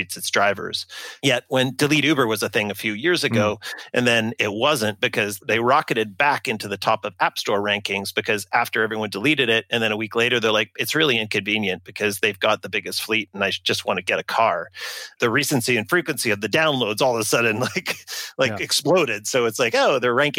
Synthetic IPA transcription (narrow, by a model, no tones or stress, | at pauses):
itsɨtsdɹaɪvə̰˞z̥jɛt̚wə̃ndɨliɾʉbə˞wʌzɨθɪ̃ŋɨfjʉjɪɹzɨɡoʊʔɨ̃nðɨ̃nɪt̚wʌzɨ̃nt̚b̥ɨkʰʌzðeɪɹɑkɨɾɨd̚bækɪ̃ntʉðɨtʰɔpʌvæpstɔɹɹæ̃ŋkɪ̃ŋzbɨkʰʌzæftə˞ɛvɹiwʌ̃ndəliɾɨɾɪɾ̚ɨ̃nðɨ̃ñəwikleɪɾə˞ðə˞laɪk̚ɨtsɹɪlˠiɪ̃nkɨ̃ɱvĩnjɨ̃nb̥ɨkʰʌzðeɪvɡɑt̪̚ðəbɪɡɨstfliɾ̃naɪ̥d͡ʒ̥ʌst̚wɑ̃nɨɡɛɾɨkʰɑɹðɨɹisɨ̃nsiɨ̃nfɹikwɨ̃nsiʌvðɨdãʊ̃nloʊdzɔlˠðəsʌdⁿn̩laɪklaɪkɨksploʊɾɪd̥soʊɨtslaɪkoʊðə˞ɹæ̃ŋk